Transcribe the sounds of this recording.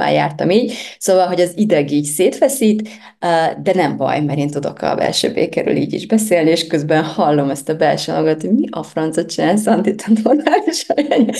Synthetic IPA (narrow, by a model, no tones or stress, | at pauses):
a̰ːja̰ːrt̪ɒmiːɟsoːvɒlɦo̞ɟɒzid̪ɛɡiːcseːt̪fɛsiːt̪ | d̪ɛnɛmbɒ̰jmɛɾeːnt̪ud̪o̞̰kʰɒ̰bɛ̰lʃø̰ːbḛːkɛɾy̰lḭːɟḭʒbɛseːlnieːʃkøzbɛnhɒlːo̞mɛst̪ɒbɛlʃøːnoɡɒt̪hoɟmiʔɒfrɒnt̪sot̪t͡ʃinaːlsɒnt̪it̪ɒnormaːliʃɒjaːɲ